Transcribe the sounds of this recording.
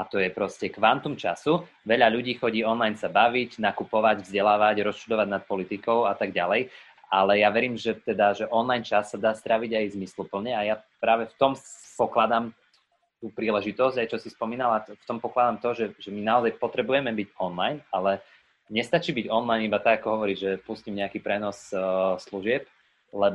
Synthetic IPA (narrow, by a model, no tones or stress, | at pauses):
at̪ɔjɛpɾɔscɛkʋant̪umt͡ʃasu | ʋɛʎaʎuɟiːxɔɟiːɔnlajnsabaʋiɟnakupɔʋaɟvzɟɛlaːʋaɟɾɔst͡ʃud̪ɔʋaɟnat̪̚pɔlit̪ikɔʊat̪aɡɟalɛj | ʔalɛjaʋɛɾiːmʒɛt̪ɛd̪aʒɛʔɔnlajnt͡ʃasːad̪aːst̪ɾaʋiɟajzmislupl̩ɲɛajapɾaːʋɛft̪ɔmpɔklad̪am | t̪uːpɾiːlɛʒit̪ɔzɟajt͡ʃɔsispɔmiːnalaft̪ɔmpɔklad̪amt̪ɔʒɛʒɛminaɔzajpɔt̪ɾɛbujɛmɛbiɟɔnlajnalɛ | ɲɛst̪at͡ʃiːbiɟɔnlajnibat̪aɡakɔɦɔʋɔɾiːʒʒɛpuscimɲɛakiːpɾɛnɔssluʒɪɛp̚ | lɛb